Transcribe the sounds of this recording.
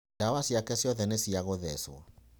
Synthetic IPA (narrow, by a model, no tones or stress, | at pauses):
dawasiakɛsjɔðɛnesiaɣoðɛswa̰